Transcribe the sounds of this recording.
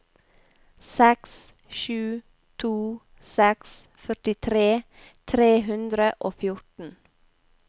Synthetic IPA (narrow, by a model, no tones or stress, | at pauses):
sɛks | ʃʉː | t̪ʰuː | sɛks | fœʈɪt̪ʰɾeː | t̪ʰɾeːɦʉnd̪ɾəʔoːfjʊʈn̩